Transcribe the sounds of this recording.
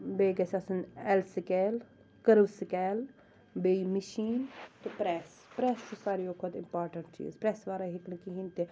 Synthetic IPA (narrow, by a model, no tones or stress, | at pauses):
beːɡɐsɐsənɛlsɪkɛl | kəɾʋsɪkɛːl | beːiməʃiːnt̪upɾɛs | pɾɛːst̪osaːɾioːkʰɔt̪ɪ̃mpaːɾʈə̃ɳʈ̚t͡ʃḭːzpɾɛːsʋaːɾaɦɪknekiɦĩnt̪eː